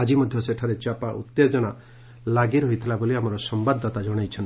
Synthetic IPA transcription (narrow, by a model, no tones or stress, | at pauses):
ad͡ʒimɔd̪ʱjɔseʈʰaɾet͡ʃapaʔut̪ːed͡ʒɔna | laɡiɾɔɦit̪ʰilaboliamɔɾɔsɔmbad̪ːɔt̪ad͡ʒɔɽ̃ajt͡ʃʰɔnt̪i